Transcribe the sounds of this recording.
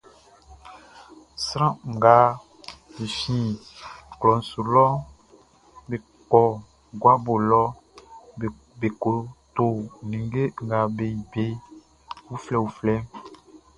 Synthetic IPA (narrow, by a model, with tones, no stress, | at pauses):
sɾã˦˨ɡa˨˦ | i˨fĩ˨ | klɔ˨n̩˨su˨lɔ˦ | be˨ | kɔ˨ | ɡwa˦bo˨lɔ˦˨ | be˨ko˨t̪o˨nĩ˨ŋ˦ɡe˦ŋ̩˨ɡa˨be˨ji˨be˦ | wu˦flɛ˦˨wu˨flɛ˦